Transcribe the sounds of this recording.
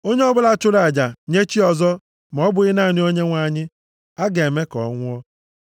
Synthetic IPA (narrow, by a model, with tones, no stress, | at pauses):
o˦ɲe˦ɔ˦bʊ˦la˨t͡ʃʊ˦ɾa˨d͡ʒa˨ɲe˦t͡ʃi˦ɔ˨zɔ˦ | m˨ɔ˦bʊ˨ɣɪ˦na˦˨ni˦o˦ɲe˦ŋʷa˨ɲɪ˦ | a˦ɡe˨e˨me˦kɔ̰˨˦ŋʷʊ˦ɔ˦